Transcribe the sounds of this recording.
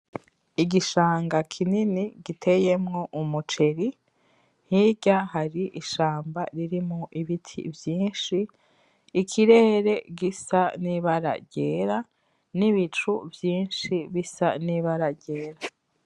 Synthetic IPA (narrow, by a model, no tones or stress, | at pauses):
iɡiʃaːŋɡakʰininiɡitʰe̞jemŋo̞ʔumut͡ʃe̞ɾi | n̥hiɟahaɾiʔiʃaːmbaɾiɾimoʔiβitʰḭvjiːnʃiː | kʰiɾe̞ːɾe̞ɡisaniβaɾa̰ɟeːɾa | niβit͡ʃuvjiːnʃiβisa̰niβaɾaɟe̞ːɾa